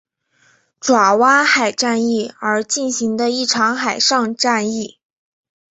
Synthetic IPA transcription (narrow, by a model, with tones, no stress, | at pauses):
ʈ͡ʂwa˨˩wa˥xa˨˩ɪʈ͡ʂa˥˧ni˥˩ə˞˧˥t͡ɕi˥˩nɕi˧˥ŋd̪ə˧i˥˩ʈ͡ʂʰɑ˧˥ŋxa˨˩ɪʂɑ˥˧ŋʈ͡ʂa˥˧ni˥˩